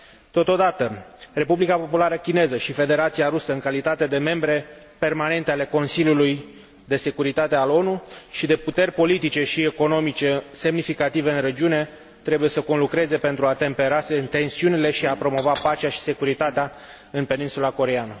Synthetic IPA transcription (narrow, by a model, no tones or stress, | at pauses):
t̪o̞t̪o̞d̪at̪əre̞publikapo̞pulaɾəkʲine̞zəʃife̞d̪e̞ɾat̪siaɾusəɨŋkalit̪at̪e̞d̪e̞me̞mbɾe̞ | pe̞rmane̞nt̪eale̞ko̞nsilʲjuluj | d̪e̞se̞kuɾit̪at̪e̞alo̞nuʃid̪e̞put̪e̞rʲpo̞lit̪it͡ʃe̞ʃieko̞no̞mit͡ʃe̞se̞mnifikat̪ive̞ɨnre̞d͡ʒiune̞ | t̪ɾe̞buje̞səko̞nlukɾe̞ze̞pe̞nt̪ɾuat̪e̞mpe̞ɾaseɨnt̪e̞nsiunile̞ʃiapɾo̞mo̞vapat͡ʃaʃi̥se̞kuɾit̪at̪ea | ɨnpe̞ninsulako̞ɾeanə